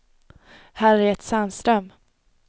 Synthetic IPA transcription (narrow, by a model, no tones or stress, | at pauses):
hæːɾɛɾɛt̪sanst̪ɾœm